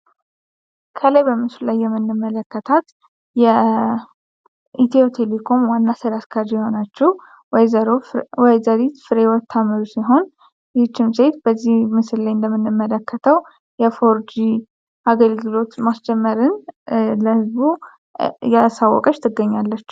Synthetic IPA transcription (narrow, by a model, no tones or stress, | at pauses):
kʰələjbəmɨsllajːɛmːɨnːɨmːələkːət̪ʰat̪ | jɛ | it̪ʰiot̪ʰe̞lekʰo̞mwanːasəɾaskʰaɾd͡ʒijɛho̞nat͡ʃːɛh | wajzaɾit̪fɨɾewɔt̪ʰːaməɾusiɦo̞n | t͡ʃːɪmse̞t̪b̥əzːihmɨsɨllajɨnd̪əmːɨnːɨmːələkːət̪ʰəw | jɛfo̞ɾd͡ʒi | ʔaɡəlɡɨlo̞t̪masd͡ʒɛmːəɾɨnləhɨzbu | jasawːɔ̰kʼət͡ʃːt̪ʰɨɡːəɲːalːət͡ʃː